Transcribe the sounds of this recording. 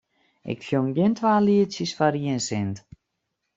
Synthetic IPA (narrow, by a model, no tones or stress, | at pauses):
ʔɪ̰kfjoŋɡjɪntʰʋaːliətsəsfaɾiənsɪnt